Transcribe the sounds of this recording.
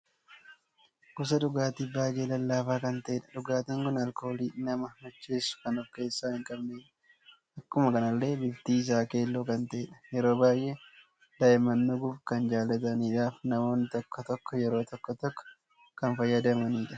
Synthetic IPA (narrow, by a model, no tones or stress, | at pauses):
kʊs̬ɐᶑʊɡaːt̪iːbaːjeːlɐlːaːfaːkɐnt̪ɐʔɛᶑɐ̥ᶑʊɡaːt̪ɐŋkʊnɐlko̞ːliːnɐmɐnʊt͡ʃːeːsʊ̥kɐnɔfke̞ːsːaːhɪŋkʼɐbneːᶑɐ̥ | ʔɐkːʊmɐkɐnɐlːe̞ːbɪft̪iːɪs̬aːke̞ːlːoːkɐnt̪ɐɛᶑɐ̥jɛɾo̞ːbaːjʔe | d̪ɐʔɪmɐnːʊɡʊbkɐnd͡ʒaːlːɐt̪̬ɐniːᶑaːfnɐmo̞ːnːɪt̪ɔkːɔt̪ɔkːɔjɛɾo̞ːt̪ɔkːɔt̪ɔkːɔ̥ | kɐnfɐjːɐd̪ɐmɐniːᶑɐ